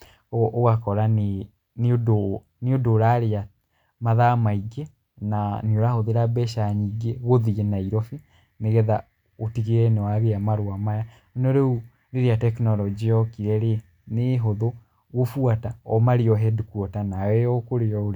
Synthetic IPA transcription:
oɣakɔɾane | neodo | neodoɾaɾea | maðamaiɡɛ | naneoɾahoðeɾabɛʃaɲiɡɛɣoðiɣenaiɾɔfe | neɣɛða | otiɣeɾɛnɛwaɾeamaɾoamaja | nɔɾeu | ɾeɾeatɛknɔlɔd͡ʒiɔkiɾɛɾe | neɦoðo | ɣofuataɔmaɾeɔɦɛdukuɔtanawɛjɔkoɾeɔo

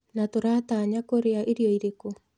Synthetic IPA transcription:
natoɾaːtaːɲakoɾeaʔeɾiɔiɾeko

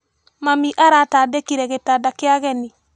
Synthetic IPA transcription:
mamiʔaɾatadɛkiɾɛɣetadakeaɣɛni

